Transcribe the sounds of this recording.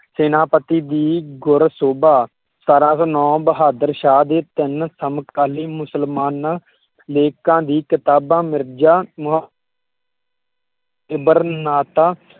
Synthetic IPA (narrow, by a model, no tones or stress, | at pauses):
seːnaːpət̪iːd̪iːɡʊɾsoːbaː | saːɾãːsõːnɔ̃ːbəɦaːd̪əɾʃaːd̪eːt̪ɪnsəmkaːliːmʊsəlmaːnaː | leːkãːd̪iːkɪt̪aːbãːmɪɾd͡ʒaːm | ɪbəɾnaːt̪aː